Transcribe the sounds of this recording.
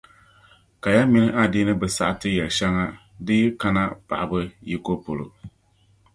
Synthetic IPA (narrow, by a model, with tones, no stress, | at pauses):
ka˨ja˦mi˦nɨ˦ʔa˦˨di˦nɨ˦bɨ˨sa̰˦ʔtɨ˦jɛ˨ʃɛ˦ŋa˦ | dɨ˦ka˦na˦pa̰˨ʔa˨bɨ˦ji˦ko˦po˨lo̰˨